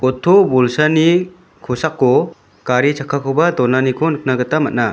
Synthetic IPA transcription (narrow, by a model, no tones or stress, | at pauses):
kɔtʰobulsani | kʰusakːɔ | kaɾit͡ʃʰakʰakʰɔwbad̪ɔnanikʰɔnɯk̚naɡɯt̪amat̚na